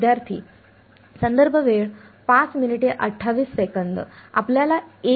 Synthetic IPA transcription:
d̪jaɾt̪ʰḭː | sənd̪əɾbʱəʋeɭ | pat͡sminiʈeʔəʈʰːaʋiːsːekənd̪a̰pljalae

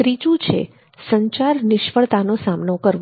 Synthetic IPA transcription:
ɾit͡ʃũt͡ʃʰḛ | səɲt͡ʃaɾnɪʃfəɭt̪anosamnokəɾʋ

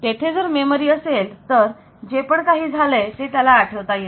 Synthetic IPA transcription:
t̪et̪ʰed͡zəɾmemoɾiːəselt̪əɾ | d͡ʑepəɳkaɦiːd͡zʱalet̪et̪jalaːʈʰəʋt̪aje

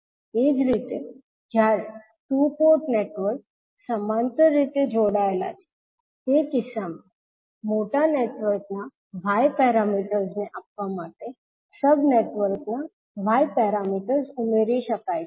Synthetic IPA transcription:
ed͡zɾit̪e | d͡ʑjaɾe | ʈupoɾʈneʈʋəɾk̚ | səmant̪əɾit̪ed͡zoɽajla̰t̪i̥ | ekisame | moʈaneʈʋəɾkna | ʋajpɛɾamiʈəɾd͡zneʔap̚ʋamaʈe | səbneʈʋəɾkna | ʋ̤ʱajpɛɾamiʈəɾsumeɾiɕəkaj

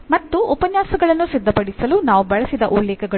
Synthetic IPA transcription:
mɐt̪ːuʔupɐɲjaːsɐɡɐɭɐnːusid̪ʱːɐpɐɽisɐlunaːʋubɐɭɐsid̪ɐʔulːɛːkʰɐɡɐ

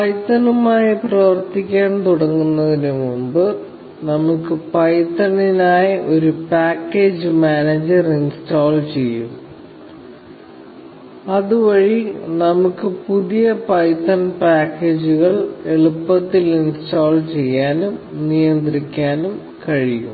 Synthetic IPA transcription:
pɐjt̪ːɐnumaːjiprɐʋɐrt̪ːikʲːaːnt̪uɽɐŋːunːɐðinemumbɨ | nɐmukːɨpɐjt̪ːɐninaːjɐʔo̞ɾupaːkːe̞ːd͡ʑɨmaːneːd͡ʑɐrinstoːlt͡ɕe̞jːṵm | ɐðuʋɐɻinɐmukːɨpuðijɐpɐjt̪ːɐnpaːkːe̞ːd͡ʑuɣɐɭe̞ɭupːɐt̪ːilinstoːlt͡ɕe̞jːaːnumnijɐnd̪rikʲːaːnum | kɐɻijṵm

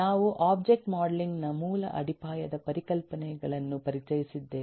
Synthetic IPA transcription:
aːʋuʔaːb̚d͡ʒek̚ʈmaːɽɐliŋɡnɐmuːlɐʔɐɽʱipaːjɐd̪ɐpɐɾikɐlpɐnɛɡɐɭɐnːupɐɾit͡ʃɐjisid̪ːe̞ː

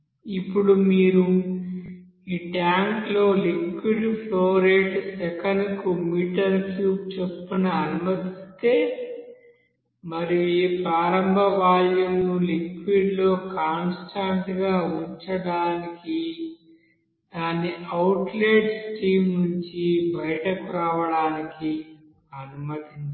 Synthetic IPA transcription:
ipːuɽumiːɾu | iːʈjaːŋklo̞ːlikʋiɖpʰloːɾeːʈsɛkɐnkumiːʈɐɾkuːp̚t͡ʃepːunuɐnumɐt̪ist̪e̞ː | mɐɾiiːpɾaːɾɐmbʱɐʋaːljɐmnulikʋiɖlo̞ːkaːnsʈaːɳʈɡaːuɲt͡ʃɐɽaːniki | d̪aːnːiʔɐwʈleːʈsʈiːmnuɲt͡ʃibɐjɐʈɐkuɾaːʋɐɽaːniki | ɐnumɐt̪in

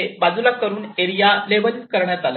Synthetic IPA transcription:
bad͡zulakəɾuːneɾijaleʋ̤əliːkkəɾɳjat̪alə

